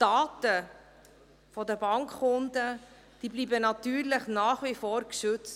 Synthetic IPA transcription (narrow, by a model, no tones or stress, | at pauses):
d̥ɑːtə | fɔdəbɑŋkːʊndə | d̥iːbliːbənɑtyːɾlɪχnaːχʋifɔːɾkʃʏt͡st